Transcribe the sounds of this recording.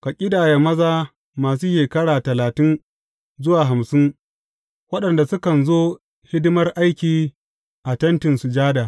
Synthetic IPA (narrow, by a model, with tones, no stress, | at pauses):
ka˨kʲʼɪ˦daː˨ja˨mɐ˦zaː˦ | maː˨s̬uː˦ʃeː˨kɐ˦ɽaː˨tɐ˨laː˨tɪ˦n | zʊ˦waː˨ɦa˨msɪ˦ŋ | wɐ˦ɗɐ˨nda˨sʊ˦kɐ˨nzoː˦ | hɪ˦dʊ˦mɐ˦rʔa˦jkʲiː˨ | ʔa˨tɐ˦ntɪ˨nsu˨d͡ʒaː˦daː˨